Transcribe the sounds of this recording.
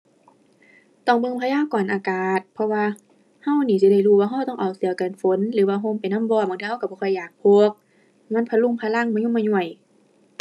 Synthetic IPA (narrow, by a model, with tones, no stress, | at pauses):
t̪ɔ˧˩ŋbɤ˧˨mpʰaː˧jaː˧˥˨wkɔː˨˩nʔaː˨˩kaː˨˩t̪̚pʰɔ˧waː˧ | ha˧˩˨wniː˧˩si˧˦da˧˩jhuː˧˨waː˧ɦa˧˩˨t̪ɔː˧˩˨ŋʔa˨˩wsɯ˨˦ɐka˨nfo˨˦nlɯː˨˦waː˧ɦo˧˥˨mpa˨˩jna˧˥˨mbɔː˧˨ba˨ŋt̪ʰiː˧˩˨ka˧˩bɔː˧ɔː˧˩jːaː˨˩k̚pʰo˧k̚ | ŋa˧˥˨npʰa˧˨lu˧˩˨ŋpʰa˧la˧˥˨ŋma˧˨ɲu˧˥˨maː˧˨ɲu˧˩əj